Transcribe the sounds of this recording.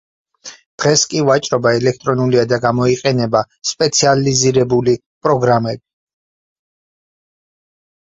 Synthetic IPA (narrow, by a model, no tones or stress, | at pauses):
d̪̥ʁɛskʼivat͡ʃʼɾɔbaɛlɛk̚ʰt̪ʼɾɔnuliad̪aɡamɔiqʼɛnɛba | spʼɛt̪sʰializiɾɛbuli | pʼɾɔɡɾamɛbi